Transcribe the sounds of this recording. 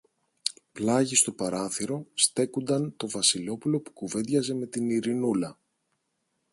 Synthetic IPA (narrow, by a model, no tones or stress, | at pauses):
plɐʝist̪o̞pɐɾɐθiɾo̞st̪e̞kond̪ɐnt̪o̞vɐsilo̞pulo̞pu̥kuve̞ðʝɐze̞me̞t̪iniɾinulɐ